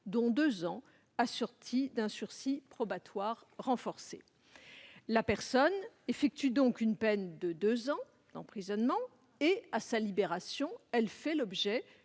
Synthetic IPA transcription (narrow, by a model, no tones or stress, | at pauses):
d̪ɔ̃d̪øzɑ̃ | asɔʁt̪ʰid̪ɛ̃syʁsipχɔbat̪waʁːɑ̃fɔʁse | lapɛʁsɔn | efɛk̚t̪yd̪ɔ̃kynpɛnd̪əd̪øzɑ̃ | d̪̥ɑ̃pχizɔnmɑ̃ | easalibeʁasjɔ̃ɛlfɛlɔbʒɛ